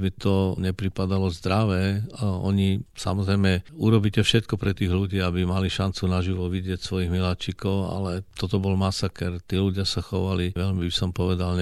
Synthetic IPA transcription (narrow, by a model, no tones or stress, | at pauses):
mit̪ɔɲɛpɾipad̪alɔzd̪ɾaʋɛɔ̰ɲisa̰mɔzɾɛjmɛuɾɔbiːcɛfʃɛt̪̚kɔpɾɛt̪iːɣluɟiːabimaliʃant͡sunaʒiʋɔʋiɟɪɛcsʋɔjiɣmilat͡ʃikɔʊa̰lɛt̪ɔt̪ɔbɔlmasakɛɾt̪iːluɟɪasaxɔʋaliʋɛʎmibisɔmpɔʋɛd̪alɲ